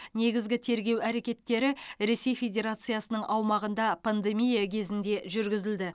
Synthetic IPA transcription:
ne̞ɡʲɪzɡʲɪt̪ʰe̞ɾɡʲe̞wæɾe̞kʲe̞t̪ːe̞ɾɪɾe̞se̞jfʲe̞dʲe̞ɾat̪sɨjasənəɴʔɑwmɑʁənd̪ɑpʰand̪e̞mʲijakʲʰe̞zɪnd̪e̞ʒʏɾɡʲɪzɪld̪ɪ

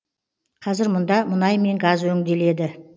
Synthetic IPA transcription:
qʰɑzɪɾmʊnd̪ɑmʊnɑjme̞ŋɡɑzwɵŋd̪e̞le̞d̪ɪ

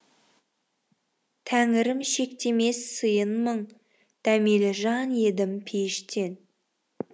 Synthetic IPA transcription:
t̪ʰæŋɪɾɪmʃe̞kt̪e̞me̞sːɨjənməɴ | d̪̥æme̞lɪʒɑnje̞d̪ɪmpʰeʃt̪e̞n

